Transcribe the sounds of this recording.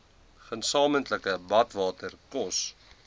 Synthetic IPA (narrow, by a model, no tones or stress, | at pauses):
χənsɑːməntləkəbɐtvɑːtərkɔs